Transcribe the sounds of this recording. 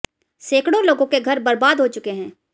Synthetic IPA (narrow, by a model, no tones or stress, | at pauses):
seːkɽõloːɡõkeɡʱɐɾbɐɾbaːd̪ɦot͡ʃʊkeɦɛ̃ː